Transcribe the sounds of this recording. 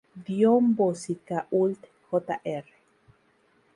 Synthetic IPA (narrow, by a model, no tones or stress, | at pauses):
d̪jombosikaʔult̪ | xot̪a̰ʔere̥